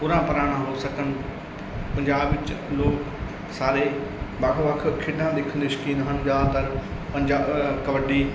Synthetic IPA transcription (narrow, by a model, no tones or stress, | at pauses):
pʊɾãpɐɾaːɽ̃ãɦosɐkəñɪ̆ | pɐ̃ɲd͡ʑaːbʋɪt͡ʃloːk | saːɾebaːkʰoʋakʰkʰɪɗãːd̪eːkʰənd̪iːʃkiːnɦən̆d͡ʒaːt̪ɐɾpɐ̃ɲd͡ʑaːbkɐʋəɖiː